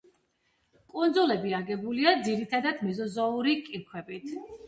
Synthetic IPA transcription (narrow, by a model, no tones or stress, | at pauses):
kʼund̪zulɛbiaɡɛbuliad̪ziɾit̪ʰad̪ad̪mɛzɔzauɾikʼiɾkʰwɛbit̪ʰ